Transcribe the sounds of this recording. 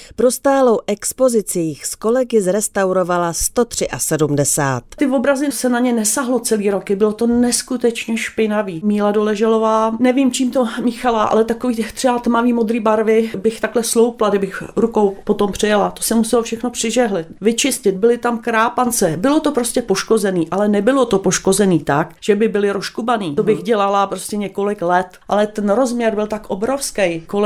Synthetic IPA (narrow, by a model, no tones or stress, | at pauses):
pɾo̞st̪aːlo̞wʔɛkspo̞zɪt͡sijxsko̞lɛɡɪzɾɛst̪awɾo̞valast̪o̞t̪r̝̥ɪʔasɛdumdɛsa̰ːt̪t̪ɪvo̞bɾazɪsɛnaɲɛnɛsaɦlo̞t͡sɛliːɾokɪbɪlot̪o̞nɛskut̪ɛt͡ʃɲɛʃpɪnaviːmiːladolɛʒɛlovaːnɛviːmt͡ʃiːmt̪omɪxalaʔa̰lɛt̪akoviːt̪t̪r̝̥ɛbat̪maviːmod̪ɾiːbaɾvɪbɪxt̪aklɛslowpladɪbɪxɾukowpo̞t̪o̞mpr̝̥ɪjalat̪osɛmusɛlofʃɛxnopr̥ɪʒɛɦlɪt̪vɪt͡ʃɪscɪt̪̚bɪlɪt̪amkɾaːpant͡sɛbɪlo̞t̪o̞pɾoscɛpo̞ʃko̞zɛniːʔalɛnɛbɪlot̪o̞po̞ʃko̞zɛniːt̪akʒ̥ɛbɪbɪlɪɾoʃkubaniːt̪obɪxɟɛlalapɾoscɛɲɛko̞lɪklɛt̪ʔalɛt̪ɛnɾo̞zmɲɛɾbɪlt̪akʔobɾofskɛjkol